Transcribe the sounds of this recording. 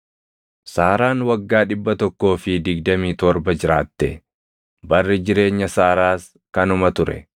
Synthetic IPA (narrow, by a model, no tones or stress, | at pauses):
saːɾaːnwɐɡːaːᶑɪbːɐt̪ɔkːo̞ːfɪd̪ɪɡd̪ɐmiːt̪ɔɾbɐd͡ʒɪɾaːt̪ːɛ | bɐrːɪd͡ʒɪɾe̞ːɲːɐsaːɾaːs | kɐnʊmɐt̪ʊɾɛ̰